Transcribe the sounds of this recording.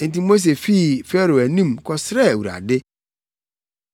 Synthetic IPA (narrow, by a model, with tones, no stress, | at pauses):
n̩˨˦tĩ˦mo˦s̬e˨fi˦˨fɛ˦ɾo˨æ˨nĩ˦mkʰɔ˦sɾɛ˦˨wu˨ɾa̰˨dɪ˦